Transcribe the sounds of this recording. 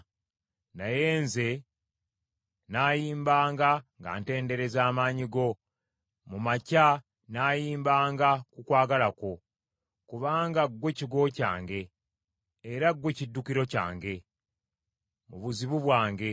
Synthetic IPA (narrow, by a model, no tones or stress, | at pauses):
naje̞ːnze̞ | naːjiːmbaːŋɡaŋɡa̰ːnte̞ːnde̞ɾe̞zaːmaːɲiɡo̞ | mumaca | naːjiːmbaːŋɡakukwaːɡalako̞ | kuβaːŋɡaɡwe̞ciɡo̞ca̰ːŋɡe̞ː | ɾaɡwe̞cidːukiɾo̞ca̰ːŋɡe̞ | muβuziβuβwaːŋɡe̞